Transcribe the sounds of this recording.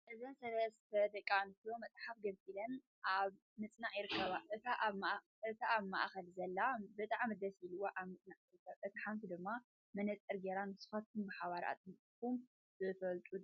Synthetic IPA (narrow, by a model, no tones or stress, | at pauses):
ʔɨzɐnsɐlɐst̪ʰɐd̪ɐkʼːant̪ʰiomɐt͡s̪ʼħafɡɐlt͡sʼilɐn | ʔaβ | mɨt͡sʼnaʕjɪɾɨkʰːɐβaʔɨt̪ʰaʔaβma | ʔɨt̪ʰaaβma̰ʔxɐlzɐlːabɨt̪ʼaʕmɨd̪ɐsiluwoʔaβmɨt͡sʼnaʕjɪɾɨkːɐβaʔɨt̪ʰiħamt̪ʰid̪ɨmːa | mɐnɐt͡sʼɨɾɡeɾanɨsɨ̥xat̪̚kʰumbɨħaβaɾa̰t̪ʼɨmtʼkum | zɨfɐlt̪ʼu